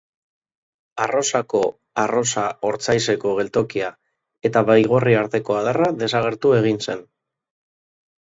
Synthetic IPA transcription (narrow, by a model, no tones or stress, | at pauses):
aro̞sako̞ | aro̞saoɾt͡sajse̞ko̞ɣ̞e̞lt̪o̞kia | e̞t̪aβajɣ̞o̞riaɾt̪e̞ko̞aðaraðe̞saɣ̞e̞ɾt̪ue̞ɣ̞inse̞n